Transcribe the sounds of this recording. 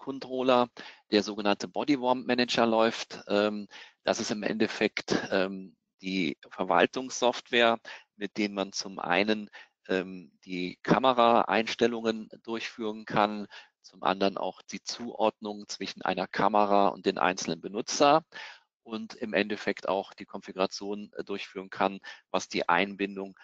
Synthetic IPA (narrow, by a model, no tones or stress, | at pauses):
kʰɔntʁ̥oːlɐd̥eːɐzoːɡənantʰəbɔdivɔmmɛnɛd͡ʒɐlɔʏftʔɛːmd̥a̰sɪstɪmʔɛ̰ntɛfɛktʔɛːm | d̥iːfɛɐva̰ltʊŋsɔftv̥eːɐmɪt̚d̥eːnmant͡sʊmʔa̰ɪnən | ʔɛːmd̥iːkʰaməʁaʔa̰ɪnʃtɛlʊŋənd̥ʊɐçfyːʁənkʰan | t͡sʊmʔa̰ndəʁənʔa̰ʊxd̥iːt͡suːʔɔɐdnʊŋt͡sv̥ɪʃn̩ʔa̰ɪnɐkʰaməʁaʊ̰nt̚d̥eːnʔa̰ɪnt͡sl̩nənbənʊt͡sɐ | ʔʊntɪmʔɛntɛfɛkta̰ʊxd̥iːkʰɔnfiɡʊʁat͡sjoːndʊɐçfyːʁ̞ənkʰanvasd̥ḭːʔa̰ɪnbɪndʊŋ